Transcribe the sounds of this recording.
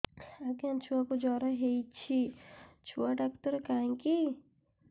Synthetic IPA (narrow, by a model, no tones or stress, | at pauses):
ɐɡãnt͡ʃʰuakod͡ʒɔːɾaɦeit͡ʃʰit͡ʃʰuaɖakt̪əɾkaẽŋki